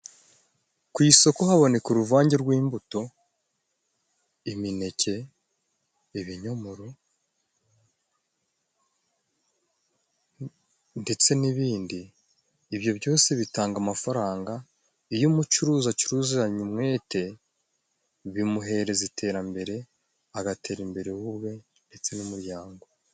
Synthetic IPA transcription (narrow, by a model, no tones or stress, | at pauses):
kwiːsokohaβo̞ne̞kuɾuvaːɲɟeɾɡwiːmbuto̞ | imine̞cʰe̞ | iβiɲomoɾo | nde̞t͡se̞niβiːndiː | βjo̞bɟo̞ːse̞βitaːŋɡamafaɾaːŋɡa | ijumut͡ʃuɾuːzaciɾuziɾaɲumŋe̞ːte̞ | βimuɦe̞ɾe̞zitʰe̞ːɾambe̞ɾe̞ | aɡatʰe̞ːɾimbe̞ɾe̞wuβwe̞ | nde̞t͡se̞numuɾjaːŋɡo̞